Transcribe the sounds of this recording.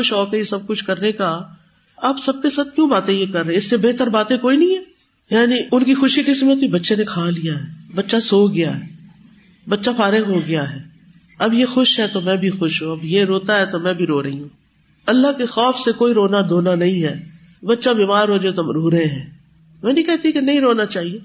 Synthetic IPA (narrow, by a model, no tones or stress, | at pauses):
ʊʃɦɔːkeisɐb̚kʊt͡ʃʰkɐɾneka | aːbsɐb̚kesaːt̪̚kjũːbaːt̪ẽjekɐɾːɐẽɪsːebeːɦt̪əɾbaːt̪ẽkoːinɐɦĩɦɛː | jaːniʊnkixʊʃikɪsmẽt̪ibɐtːʃenekʰaːlijaɦɛːbɐtːʃasoːɡɪjaɦɛː | bɐtːʃafaːɾɪɡɦoɡɪjaɦɛː | ɐbjexʊʃɦɛt̪omɛ̃ːbʱixʊʃɦũɐbjeɾoːt̪aɦɛt̪omɛ̃ːbʱiɾoːɾɐɦiɦũː | ɐlːakexɔːfsekoːiɾoːnad̪oːnanɐɦĩɦɛː | bɐtːʃabiːmaːɾɦoːd͡ʒot̪omɾuːɾɐɦẽɦɛ̃ː | mɛ̃ːnɐĩkɛɦt̪iẽkenɐɦĩɾoːnat͡ʃaːɦie